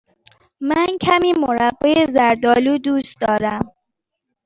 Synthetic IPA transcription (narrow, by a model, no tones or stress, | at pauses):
mæncʰæmiːmoɾæbːejezæɾd̪ɒːluːd̪uːsd̪ɒːɾæm